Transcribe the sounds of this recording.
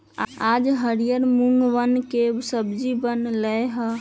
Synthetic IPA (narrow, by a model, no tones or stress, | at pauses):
ad͡ʒɦəɾijəɾmuŋɡʋənkesəbd͡ʒibənləjɦə